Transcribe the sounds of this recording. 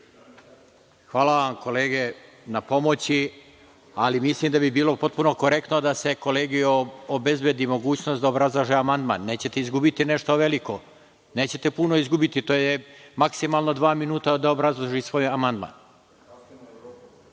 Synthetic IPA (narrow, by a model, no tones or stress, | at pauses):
xʋaːlaʋamko̞le̞ːɡe | napo̞mo̞t͡ɕi | alimislimd̪abibiːlˠo̞po̞t̪̚puno̞ko̞ɾe̞k̚t̪nod̪ase̞ko̞le̞ːɡioobe̞zbed̪imo̞ɡuːt͡ɕno̞st̪d̪aobɾazlˠaʒeamand̪ma̰nːe̞ːt͡ɕe̞t̪eizɡubit̪ine̞ʃt̪o̞ʋe̞liko̞ | ne̞ːt͡ɕe̞t̪e̞puno̞izɡubit̪it̪oːjemaksimalˠno̞d̪ʋaːminuːt̪ad̪aobɾazlˠaʒisʋo̞ːjamand̪ma̰ːn